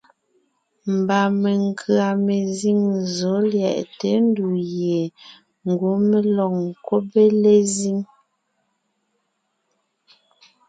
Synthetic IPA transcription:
m̩˨ba˨me˨ŋ˨kʰɰa˨me˨zi˦˨ŋzo˨˦ljɛ̰˨ʔte˨˦n˦du˨je˨ | ŋ˨ɡo˨˦me˦lɔ˨k̚ŋ˨ko˦be˦le˦zi˦ŋ

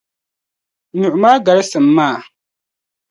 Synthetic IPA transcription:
ɲʊ˨ʔʊ˨maː˦ɡa˨ɾɨ˦sɨ˨mː˦aː˦˨

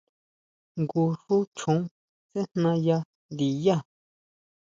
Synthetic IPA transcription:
ŋɡu˧ʂu˦t͡ʃʰũ˨˦ | t͡se˦n̥nã˧ja˧ | nd̪i˨ja˦˨

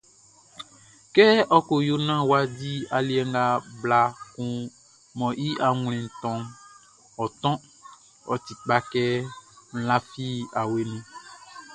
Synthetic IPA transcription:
kɛ˦ɔ˦ko˨jo˦nã˦wa˦di˦a˨li˨˦ɛ˦ŋ˦ɡa˦bla˦kũ˦ | mɔ̃˨ʔi˦ʔa˨ŋ˨l̃ɛ̃˨n̩˨t̪ɔ̃˦m | ɔ˨t̪ɔ̃˦ | ɔ˨ti˨k͡pa˦kɛ˦m̩˨lã˦fi˦a˨we˨nũ˦

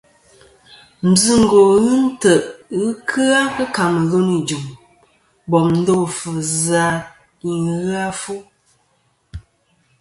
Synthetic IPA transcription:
m̩˨zɨ˦ŋ̩˦˨ɡo˨ɣɨ˦n̩˦tə˨ʔɣɨ˦kʰɨ˦a˦kə˦ka˨mə˨ɣo˦ni˨d͡ʒu˨m | bɔ˨mn̩˦do˦˨fə˨za˨ | ɣa˦fu˦

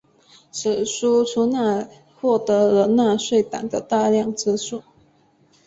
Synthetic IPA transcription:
ʂ̩˨˩ʂu˥ʈ͡ʂʰu˧˥na˥˧ | xwɔ˥˩t̪ɤ˧˥ɤ˧˥na˥˧ʂwe˥˩ɪt̪a̰˨˩ŋd̪ə˦t̪a˥˧ljɑ˥˧ŋʈ͡ʂɻ̩˥ʂu˥˩

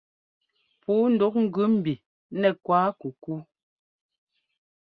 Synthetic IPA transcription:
puː˨˦n̩˨du˨˦k̚ŋ̩˨ɡʉ˦m̩˨bi˨ | nɛ˨kwaː˦ku˨ku˦

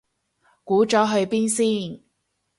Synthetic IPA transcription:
kuː˨˥t͡ʃɔː˨˥ɦɵ˧ɥpiː˥nsiː˥˩n

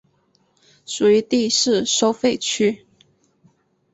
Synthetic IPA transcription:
ʂu˨˩y˧˥t̪i˥˧ʂɻ̩˥˨ʂo˥ʊfe˥˨ɪt͡ɕʰy˥

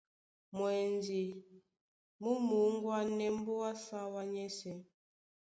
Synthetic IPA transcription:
mwɛ˨ndi˨ | mu˦mu˨˦ŋ˦ɡwa˦nɛ˦m˦bo˦wa˦sa˦wa˦ɲɛ˦sɛ˨

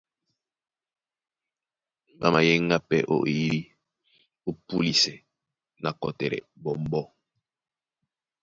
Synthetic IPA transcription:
ba˦ma˨jɛ˦ŋ˦ɡa˦pɛ̰˦ʔɔ̰˦ʔi˨i˦ɾi˦ | u˦pu˦li˨sɛ˨ | na˨kɔ˨tɛ˨ɾɛ̰˨bɔ˨m˦bɔ˦

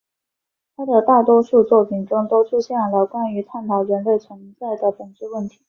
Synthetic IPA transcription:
t̪ʰa˥d̪ə˨t̪a˥˩t̪wɔ˥ʂu˥˧t͡swɔ˥˩pʰi˨˩ŋʈ͡ʂʊ˥ŋt̪o˥ʊʈ͡ʂʰu˥˧ɕjɛ˥˩nlə˧˩kwa˥ny˧˥t̪ʰa˥˩nt̪ʰɑ˨˩ʊɻə˧˥nle˥˩ɪt͡sʰwə˧˥nt͡sa˥˩ɪd̪ə˩pə˨˩nʈ͡ʂɻ̩˥˧wə˥˩nt̪ʰi̥˧˥

